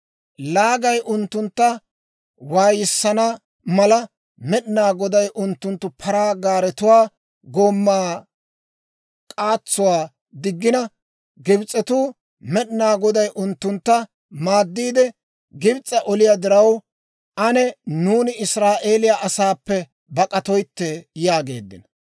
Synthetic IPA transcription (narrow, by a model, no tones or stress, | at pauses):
laːɡɐjʔʊnt̪ːʊnt̪ːɐ | waːjɪsːɐnɐ | mɐlɐ | mɛɗɪnaːɡɔd̪ɐjʔʊnt̪ːʊnt̪ːʊpʰɐɾaːɡaːɾɛt̪ʊwaː | ɡoːmːaː | kʼaːt͡sːʊwaː | d̪ɪɡːɪnɐ | ɡɪbt͡sʼːɛt̪uː | mɛɗɪnaːɡɔd̪ɐjʔʊnt̪ːʊnt̪ːɐ | maːd̪ːiːd̪ɛ | ɡɪbt͡sʼːɐʔɔlɪjad̪ɪɾɐw | ʔɐnɛnuːnɪɪsɾaːʔeːlɪjaʔɐsaːpːɛ | bɐkʼɐt̪ɔjt̪ːɛjaːɡe̞ːd̪ːɪ̰nɐ